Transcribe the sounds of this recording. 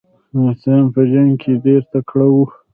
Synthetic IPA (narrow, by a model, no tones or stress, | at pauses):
saampəʒaŋɡkʰeɖeɾt̪akɽawu